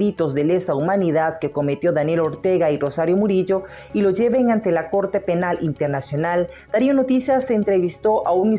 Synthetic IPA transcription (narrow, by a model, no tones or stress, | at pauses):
it̪o̞zðe̞le̞saumaniðaðke̞ko̞me̞t̪jo̞ðanje̞lo̞ɾt̪e̞ɣairo̞saɾjo̞muɾiʝo̞ | ilo̞ʝe̞βe̞ŋant̪e̞lako̞ɾt̪e̞pe̞nalʔint̪e̞ɾnasjo̞nal | d̪̥aɾiono̞t̪isjaseːnt̪ɾe̞βist̪o̞ʔauŋi